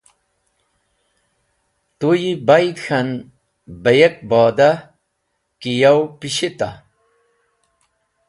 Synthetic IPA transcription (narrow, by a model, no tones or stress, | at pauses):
t̪ujibajd̪xan | bɐjek̚bɔːd̪a | kijawpiɕit̪a̰